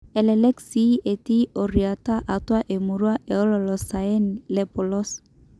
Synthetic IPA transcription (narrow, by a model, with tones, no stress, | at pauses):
ɛ˨lɛlɛ˦ksi˦ʔe˨t̪i˦ɔ˨ɾi˨a˨t̪a˦ʔa˨t̪wa˦ʔe˨mu˨ɾu˦a˦ʔe˨ɔ˦lɔ˨lɔ˨sa˨e˦nlɛ˨pɔ˨lɔ˦s